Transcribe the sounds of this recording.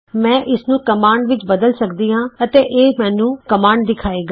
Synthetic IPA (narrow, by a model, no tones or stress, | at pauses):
mɛ̃ːʔɪsnũːkəmaːɳɖʋɪt͡ʃbəd̪əlsəkd̪iːɦãːət̪eːʔeːmɛ̃ːnũːkəmaːɳɖ̚d̪ɪkʰaːeːɡaː